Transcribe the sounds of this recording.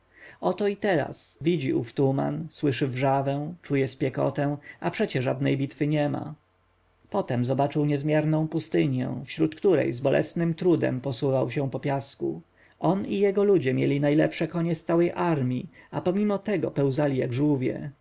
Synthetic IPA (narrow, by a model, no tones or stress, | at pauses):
ɔt̪ɔit̪ɛɾa̰svʲid͡ʑiʔuft̪uma̰nswɘʂɘvʐavɛ̃t͡ʂujɛspʲjɛkɔ̰t̪ɛw̃apʂɛt͡ɕɛʐad̪nɛjbʲit̪fɘɲɛma̰ | pɔt̪ɛmzɔbat͡ʂɘwɲɛzmʲjɛɾnɔ̃w̃pust̪ɘɲjɛ̰̃fɕɾut̪kt̪uɾɛ̰jzbɔlʔɛ̰snɘmt̪ɾud̪ɛ̰mpɔsuvawɕɛ̃pɔpʲjaskṵ | ʔɔnijɛɡɔlud͡ʑɛmʲjɛlʲinajlɛpʂɛkɔɲɛst̪sawɛjʔaɾmʲiapɔmʲimɔt̪ɛɡɔ̰pɛwzalʲijaɡʐuvʲjɛ̰